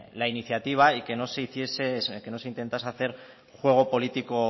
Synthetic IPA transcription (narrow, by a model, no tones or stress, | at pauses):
lainiθjat̪iβ̞aike̞no̞seiθje̞seke̞no̞seint̪e̞nt̪asaθe̞ɾ | xwe̞ɣ̞o̞po̞lit̪iko